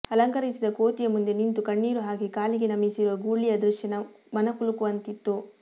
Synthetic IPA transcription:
ɐlɐŋkɐɾisid̪ɐkoːt̪ijɐmund̪enint̪ukɐɳːiːɾuɦaːɡikaːliɡenɐmisiɾuʋɐɡuːɭijɐd̪ɾuʃjɐnɐ | mɐnɐkulukuʋɐnt̪it̪ːu

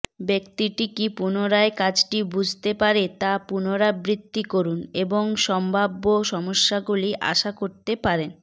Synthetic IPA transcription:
bek̚t̪iʈikipunoɾaekad͡ʑʈibud͡ʑʱt̪epaɾet̪apunoɾabɾit̪ːikoɾuneboŋʃɔmbʱabːoʃɔmoʃːaɡuliʔa̰ʃakoɾt̪epaɾen

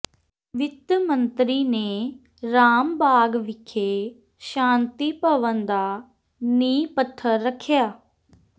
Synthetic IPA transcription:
ʋɪt̪mənt̪ɾiːneː | ɾaːmbaːɡʋɪkʰːeː | ʃãːnt̪iːpəʋənd̪aː | niːpət̪ʰːəɾːəkʰjaː

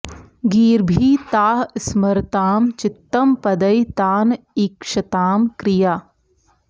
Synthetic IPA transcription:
ɡiːɾbʱiːt̪aːɦsmɐɾt̪aːmt͡ʃɪt̪ːɐmpɐd̪ɐjt̪aːn | ɪkʃɐt̪aːmkɾɪjaː

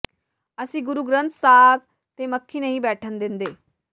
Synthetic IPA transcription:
əsĩːɡʊɾuːɡɾə̃nt̪saːb̚ | t̪eːməkʰːiːnəɦĩːbɛːʈʰənd̪ɪnd̪eː

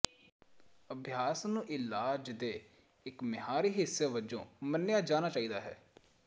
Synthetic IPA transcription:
əbʱɪjaːsnũːʔɪlaːd͡ʒd̪eː | ɪkmɪɦaːɾiːɦɪsːeːʋəd͡ʒõ̰ːmənːejaːd͡ʒaːnaːt͡ʃaːiːd̪aːɦɛ̰ː

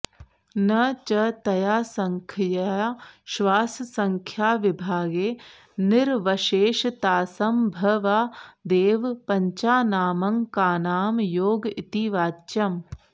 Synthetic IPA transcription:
nɐt͡ʃɐt̪ɐjaːsɐŋkʰjɐaʃʋaːssɐŋkʰjaːʋɪbʱaːɡeː | nɪɾʋɐʃeːʃt̪aːsɐmbʱɐʋaːd̪eːʋpɐɲt͡ʃaːnaːmɐŋkaːnaːmjoːɡit̪iʋaːt͡ʃɐm

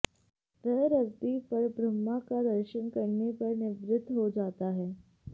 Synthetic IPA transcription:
təɦɾəɾt̪ipəɾbɾəmːakad̪əɾʃənkəɾnepəɾnɪʋɾɪd̪ʱːɦod͡ʒaːt̪aɦɛː

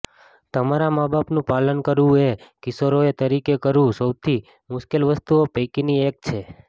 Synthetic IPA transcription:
t̪əmaɾamabapnũpalənkəɾʋũekɪsoɾoet̪əɾikekəɾʋũsəwt̪ʰi | mʊʃkelʋəst̪uopəjkiniek̚t͡ʃʰe

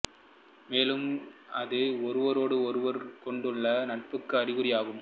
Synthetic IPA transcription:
meːlɯmɐðɯɔɾɯʋɐɾoːɽɯɔɾɯʋɐɾkɔɳɖɯɭːɐnɐʈ̚pɯkːɯɐɾɪɣɯɾɪjaːɣɯm

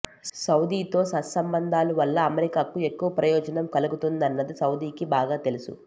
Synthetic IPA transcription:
sɐwd̪iːt̪o̞ːsɐsɐmbɐnd̪ʱaːluʋɐlːɐːmeɾikaːkue̞kːuʋɐpɾɐjɔːd͡ʒɐnɐmkɐluɡut̪und̪ɐnːɐd̪isɐwd̪iːkibaːɡaːt̪e̞lusṵ

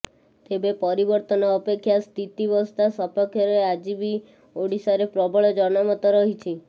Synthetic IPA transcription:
t̪ebepɔɾibɔɾt̪ɔnɔːpekʰːjast̪ʰit̪iʋɔst̪asɔpɔkʰjɔɾead͡ʒibi | oɽisaɾepɾɔbʱɔɭɔd͡ʒɔnamɔt̪ɔɾɔɦit͡ʃʰi

